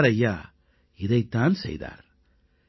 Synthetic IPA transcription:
ɾɐjːaː | ɪðɐɪt̪ːaːnsɛ̰jða̰ːɾ

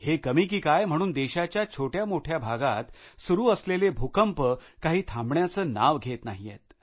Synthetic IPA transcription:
hekəmiːk̬iːkajm̤əɽ̃uːnd̪eɕat͡ɕjat͡ɕʰoʈjamoʈʰjabʱaɡat̪suɾuːəslelebʱukəmpəkaɦiːt̪ʰãmbɳjat͡səːna̰ʋɡʱet̪naɦijḛt̪̚

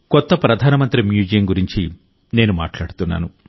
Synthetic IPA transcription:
kɔt̪ːɐpɾɐd̪ʱaːnɐmɐnt̪ɾimjuːd͡ʒɐjɐmɡuɾiɲt͡ʃi | ne̞ːnuma̰ːʈlaːɽut̪unːa̰ːnu

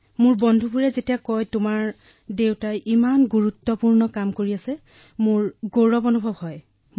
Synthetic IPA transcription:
mʊɹbɔndʱubʱuɹɛzetiakɔjtʊmaɹ | dewtajʔimanɡuɹutːɔpuɹnɔkamkoɹiasɛ | mʊɹɡoɹɔbɔnubʱɔbhɔj

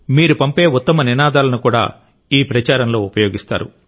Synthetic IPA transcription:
miːɾupɐmpe̞ːut̪ːɐmɐninaːd̪aːlɐnukuːɽa̰ː | iːpɾɐt͡ʃaːɾɐnlo̞ːupɐjo̞ːɡist̪a̰ːɾṵ

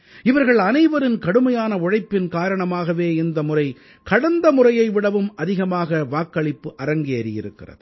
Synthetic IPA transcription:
ɪʋɐɾɣɐɭɐnɐɪʋɐɾɪnkɐɽɯmɐjaːnɐʊɻɐɪpːɪnkaːɾɐɳɐmaːɣɐʋeːɪnd̪ɐmʊrɐɪ | kɐɽɐnd̪ɐmʊrɐjɐɪʋɪɽɐʋɯmʔɐðɪɣɐmaːɣɐʋaːkːɐɭɪpːɯʔɐɾɐŋɡeɐɾɪjɪɾɯkːɪrɐ̰ðɯ

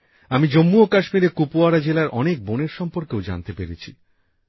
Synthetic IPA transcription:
amid͡ʑomːuokaʃmiɾekupuaɾad͡ʑelaɾʔɔnek̚boneɾʃɔmpoɾkewd͡ʑa̰nt̪epeɾet͡ɕʰi

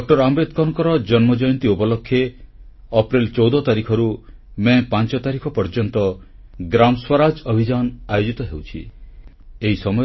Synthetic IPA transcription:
dɔk̚ʈɔɾamɾet̪kɔnkɔɾɔd͡ʒɔnmɔd͡ʒɔjɔnt̪iupɔlɔkʰːje | ɔpɾilt͡ʃɔwd̪ɔt̪aɾikʰɔɾumepant͡ʃɔt̪aɾikʰɔpɔɾd͡ʒɔnt̪ɔ | ɡɾamswaɾad͡ʒɔbʱid͡ʒanajod͡ʒit̪ɔɦewt͡ʃʰḭ | eɦisɔmɔj

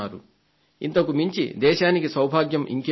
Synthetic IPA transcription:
aːɾu | int̪ɐkumiɲt͡ʃḭd̪ɛːʃaːnikisɐwbʱaːɡjɐmʔḭŋki

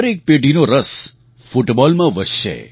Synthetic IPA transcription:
əɾek̚peːɖinoɾəs | fʊʈbɔlmãʋəsʃḛ

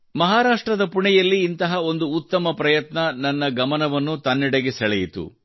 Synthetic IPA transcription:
mɐɦaːɾaːʂʈɾɐd̪ɐpuɳɛjɐlːiːnt̪ɐɦɐo̞nd̪uːt̪ːɐmɐpɾɐjɐt̪nɐnɐnːɐɡɐmɐnɐʋɐnːut̪ɐnːɛɽeɡesɛɭɛjit̪ṵ

